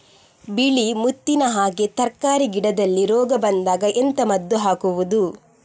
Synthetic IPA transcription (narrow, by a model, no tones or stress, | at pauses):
biɭimut̪ːinɐɦaːɡe̞t̪ɐɾkaːɾiɡiɽɐd̪ɐlːiɾɔːɡɐbɐnd̪aːɡɐʔent̪ɐmɐd̪ːuɦaːkuʋud̪u